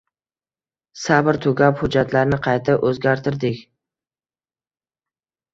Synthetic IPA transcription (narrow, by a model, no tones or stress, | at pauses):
sabɪɾt̪ʰʊɡʲaphʊd͡ʒːat̪ʰlaɾnɪqʰɑjt̪ʰɪʔɵzɡʲaɾt̪ʰɪɾd̪ɪkʲ